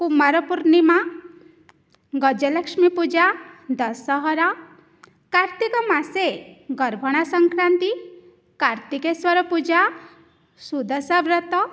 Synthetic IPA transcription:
pumaɾɔpuɾnima | ɡɔd͡ʒɔləkʃmipud͡ʒad̪ɔsɔɦɔɾa | kaɾt̪ikɔmaseɡɔɾbʱɔɽ̃asɔŋkɾant̪i | kaɾt̪ikeswɔɾɔpud͡ʒa | sud̪ɔsɔʋɾɔt̪ɔ

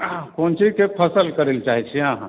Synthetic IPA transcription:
kont͡ʃikepʰəsəlkəɾelt͡ʃaɦit͡ʃʰiãɦ

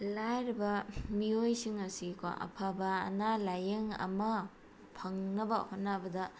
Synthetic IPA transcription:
lajɾibɐmiojsiŋɐsiko̰ɐ̰pʰabɐ̰ːnalajeŋɐ̰mɐ | pʰɐŋnɐbɐhotnːabɐdɐ

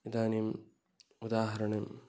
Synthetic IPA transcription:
id̪aːnim | ud̪aːɦɐɾɐɳem

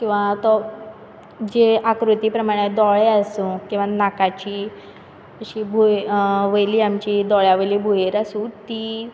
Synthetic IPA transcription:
kĩw̃ʋat̪ɔ | d͡ʑeakɾut̪iːpɾəmaɽ̃ed̪ɔɭeəsũkĩw̃ʋanakat͡ɕiː | əɕiːbʱuʋəjliːamt͡ɕid̪ɔɭjaʋəjliːbʱujeɾasuːt̪i

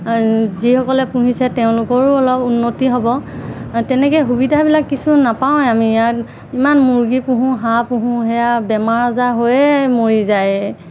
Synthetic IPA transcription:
zihɔkɔlɛpũɦisɛteʊ̃lʊkɔɹɔlɔpunːotiɦɔbɔtɛnɛkɛxubidʱabilakːisunapaw̃amiːjaɹ | imanmuɹɡipuɦũɦãpũɦũɦɛjabɛmaɹazaɦojɛmoɹizaj

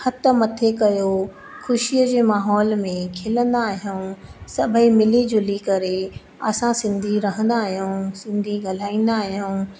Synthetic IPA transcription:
hɐt̪ə̆mɐt̪ʰekɐjo | xʊʃiəd͡ʑeːmaːɦɔːlmẽkʰɪlə̃nd̪aːɦjuːsɐbʱəimɪlid͡ʑʊlikɐɾe | ɐ̰sãsɪ̃nd̪ʱiɾɐɦə̃nd̪aːɦijũːsɪ̃nd̪ʱiɡal̤aːĩːn̆d̪aːɦijũː

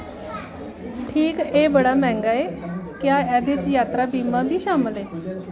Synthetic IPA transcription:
ʈʰiːkeːbəɽaːmɛ̃ːŋɡaːeːkjaːɛːd̪eːt͡ʃjaːt̪ɾaːbiːmaːbʱiːʃaːməleː

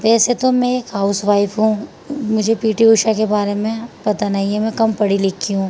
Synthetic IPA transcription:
ʋɛːset̪omɛ̃ekɦaːʊsʋaːɪfɦũː | mʊd͡ʒʱepiːʈiʊːʃakebaːɾemẽpɐt̪anaɦĩɛmɛ̃kɐmpɐɽilɪkʰːiɦũː

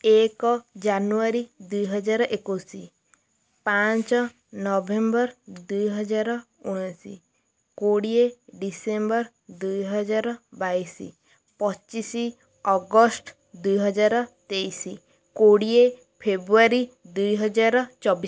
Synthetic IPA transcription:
ekɔd͡ʒanuaɾid̪ujɦɔd͡ʒaɾɔʔekusi | pat͡ʃɔ | nɔbembɔɾd̪ujɦɔd͡ʒaɾɔ | uɽ̃ɔsḭ | koɽieɖisembɔɾ | d̪ujɦɔd͡ʒaɾɔbajsḭ | pɔt͡ʃisi | ɔɡɔsʈ | d̪ujɦɔd͡ʒaɾɔt̪ejsi | koɽie | pʰebɾuaɾid̪ujɦɔd͡ʒaɾɔt͡ʃɔbi

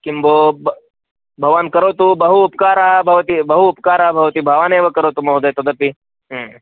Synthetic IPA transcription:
kimbob | bʱɐʋankɐɾot̪ubɐɦuːpkaːɾaɦbʱɐʋt̪ibɐɦuːpkaːɾaːɦbʱɐʋt̪ibʱɐʋaneːʋəkɐɾot̪umɐɦud̪ɐjt̪od̪ɐpi | ɦ

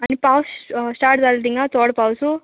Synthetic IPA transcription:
ɐnipaːwssʈaːʈt̪alt̪̬iŋɡat̪oːɽpaːwsu

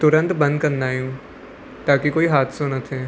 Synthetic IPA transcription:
t̪ʊɾə̃nt̪bɐ̃nd̪̚kɐɾnd̪aːjũː | t̪aːkikoːiɦaːt̪sõnɐt̪ʰeː

